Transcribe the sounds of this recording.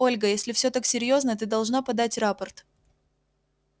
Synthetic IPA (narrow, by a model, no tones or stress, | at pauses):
o̞lʲɡəjesʲlʲɪfsʲɵt̪aksʲɪɾʲjo̞znəət̪̬ɨd̪ɐlˠʐnapɐd̪atʲrapərt̪